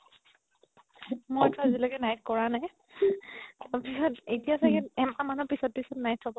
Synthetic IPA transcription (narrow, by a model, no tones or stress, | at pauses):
mojtɔazilaɡɛnajtkɔɹanaj | tapisɔtejtijasakɛɛmamanupisɔt̚pisɔtnajt̚ʰːabɔ